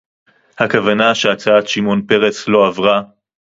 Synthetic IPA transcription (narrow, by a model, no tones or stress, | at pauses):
hakavanaʃeat͡saat̪ʃimo̞npe̞ʁeslo̞avʁa